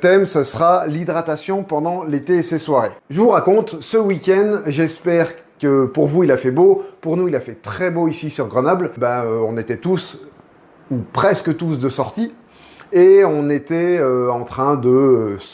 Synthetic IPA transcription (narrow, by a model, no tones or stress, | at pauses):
t̪ɛmsəsəʁalid̪ʁat̪asjɔ̃pɑ̃d̪ɑ̃let̪esɛswaʁeʒəvuʁakɔ̃t̪səwikʲɛnd̪ʒɛspɛʁ | kəpuʁvuilafɛbopuʁnuilafɛt̪χɛboisisɛʁɡʁənablbaøɔ̃net̪ɛt̪us | upχɛskət̪usd̪əsɔʁt̪i | eɔ̃net̪ɛøɑ̃t̪χɛ̃d̪ə